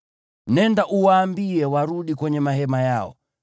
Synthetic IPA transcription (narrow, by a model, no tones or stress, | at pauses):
nɛndaʔuwaːmbiɛwaɾuɗikwɛɲɛmaɦɛmajaɔ̰